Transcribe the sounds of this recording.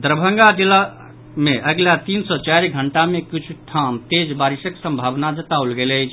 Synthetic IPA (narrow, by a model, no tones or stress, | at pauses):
d̪ɾəbʱə̃ŋɡad͡ʒila | meʔəɡlat̪insɔt͡ʃajɾɡʱəɳʈamekit͡ʃʰuʈʰamt̪ed͡ʒbaɾisəksə̃mbʱabnad͡ʒət̪aulɡeləjt͡ʃʰ